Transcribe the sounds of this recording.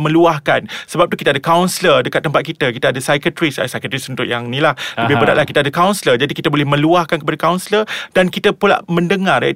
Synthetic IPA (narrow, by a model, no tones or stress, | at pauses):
mə̃luahkansəbap̚t̪ukit̪adakawnsilədəkat̪ːəmpat̪̚kit̪akit̪aadasajkət̪ɾisa̰sajkət̪ɾisunt̪ʊkjaŋnĩlahəbɪɦbəɾaʔ̚lahkit̪adakawnsələd͡ʒadikit̪əbolɛhmə̃luahkankəpadakawnsləd̥ankit̪əpula̰ʔmə̃ndəŋar̰